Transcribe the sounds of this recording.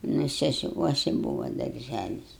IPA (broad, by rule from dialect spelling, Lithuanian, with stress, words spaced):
nʊ sʲɛsʲɪˈkuɔsʲɪ ˈbuːʋɐ dɐrʲˈʒʲælʲɪs